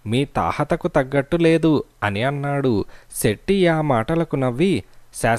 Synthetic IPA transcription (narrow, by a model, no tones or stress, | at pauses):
miːt̪a̰ːhɐt̪ɐkut̪ɐɡːɐʈːule̞ːd̪uɐniɐnːaːɽuseʈːijaːmaːʈɐlɐkunɐʋːisaː